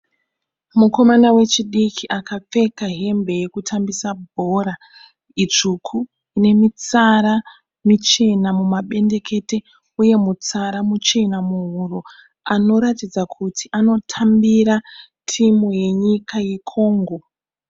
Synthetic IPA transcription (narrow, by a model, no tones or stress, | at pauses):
muko̞manawe̞t͡ʃiɗikʰiʔakap͡fe̞kaɦe̞mbe̞je̞kutʰambisabʱo̞ɾa | it͡ʂukʰu | ine̞mit͡saɾa | mut͡ʃe̞namumaɓe̞nde̞ke̞te̞ | uje̞mut͡saɾamut͡ʃe̞namuɦuro̞ | ano̞ɾatid͡zakʰutʰiʔano̞tʰambiɾa | tʰimoje̞ɲikajikʰo̞ːŋɡo̞